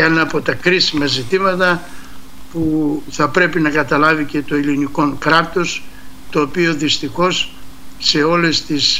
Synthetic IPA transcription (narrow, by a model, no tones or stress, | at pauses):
enɐpo̞t̪ɐkɾisimɐzit̪imɐt̪ɐ | puθɐpɾe̞pinɐkɐt̪ɐlɐvice̞t̪o̞iliniko̞ŋkɾɐt̪o̞st̪o̞ːpio̞ðist̪ixo̞sː | e̞o̞le̞st̪is